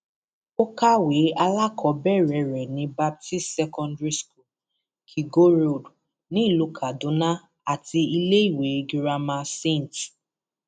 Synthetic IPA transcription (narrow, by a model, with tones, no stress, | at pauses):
o˦ka˦we˨˦a˧la˦kʰɔ˨bɛ˦˨ɾɛ˨ɾɛ˨nĩ˧˦ba˦p̚ti˦stsɛ˧kɔ̃˧ndɹi˦sku˦˨l | kʰi˨ɡo˦ɾo˦˨d | nĩ˨˦i˦˨lu˨˧kʰa˨dũ˨˦nã˦ | a˦˨ti˧i˧le˦i˦˨we˨˦ɡi˨ɾa˧ma˧se˦˨nt